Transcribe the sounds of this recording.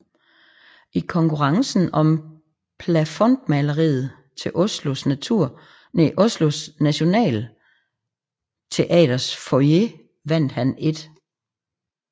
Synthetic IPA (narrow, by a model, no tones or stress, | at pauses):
ikʰɒ̽ŋkʰuʁɑ̈ŋsn̩ɒ̽m | pʰlæfɔ̽nd̥mælɐʁḭːð̩ˠ | t͡sʰe̝ʔɔ̽slo̝snæt͡sʰuɐ̰ | neʔɔslo̝snæɕo̝nɛ̰ːl | t͡sʰe̝ʔɛ̰ːɾɐsfoje̝ | ʋæn̰d̥hæne̝d̥